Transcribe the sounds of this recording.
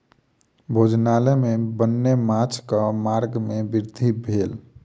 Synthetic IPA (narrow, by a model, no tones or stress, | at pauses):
bʱod͡ʒnalɛmebənːemãt͡ʃʰkəmaɾɡmebiɾd̪ʱibʱeːl